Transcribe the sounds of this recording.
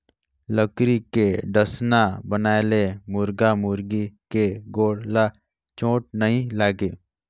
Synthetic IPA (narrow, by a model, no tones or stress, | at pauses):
ləkɾikeɖəsnabənaːelemʊɾɡamʊɾɡikeɡoːɽla | t͡ʃõːʈ̚nəɦĩlaːɡeː